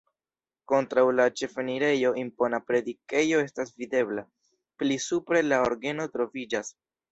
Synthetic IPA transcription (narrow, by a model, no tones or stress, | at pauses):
ko̞ntɾawlat͡ʃe̞feniɾe̞jo̞ʔimpo̞napɾe̞dike̞jo̞e̞stasvide̞bla | plisupɾe̞laoɾɡe̞no̞tɾo̞vid͡ʒas